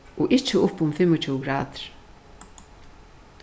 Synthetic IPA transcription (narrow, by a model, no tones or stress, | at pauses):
ɔʔɪt͡ʃəʊpʊmfɪmɔt͡ʃʰuːɡɾa̰ːðɾ̥